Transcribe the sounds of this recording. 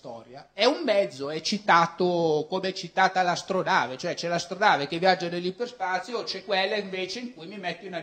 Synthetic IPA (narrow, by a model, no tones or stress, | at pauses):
t̪ɔːɾjaɛumːɛd̪zːoɛt͡ʃːit̪aːt̪okomeɛt͡ʃːit̪aːt̪alast̪ɾonaːvet͡ʃoɛt͡ʃɛlast̪ɾonaːvek̟evːjad͡ʒːanelːiperspaːt̪sːjot͡ʃɛkːwɛlːaiɱveːt͡ʃeiŋkujmimɛt̪ːoina